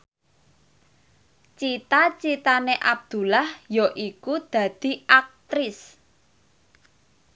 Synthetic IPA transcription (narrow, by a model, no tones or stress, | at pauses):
t͡ʃit̪at͡ʃit̪aneʔa̰b̚d̪̥ṳlahjɔʔikud̪̥ä̤d̪̥i̤ʔak̚t̪ɾɪs